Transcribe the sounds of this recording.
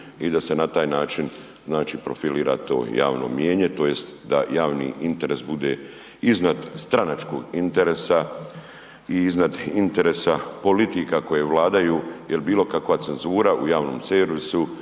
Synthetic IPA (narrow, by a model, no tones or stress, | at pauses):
id̪ase̞nat̪aːjnaːt͡ʃin | znaːt͡ʃipɾo̞̰filiːɾa̰t̪o̞̰ːja̰ːʋno̰mjeːɲe̞t̪o̞ːje̞st̪d̪a̰jaːʋnḭint̪e̞ɾe̞sbud̪e̞ | iznad̪st̪ɾanat͡ʃko̞ɡint̪eɾesa | iiznad̪int̪e̞ɾesapo̞lit̪ikako̞je̞ʋlaːd̪ajujelbiːlˠo̞kakʋat̪se̞nzuːɾaʔujaːʋno̞ːmseɾʋisu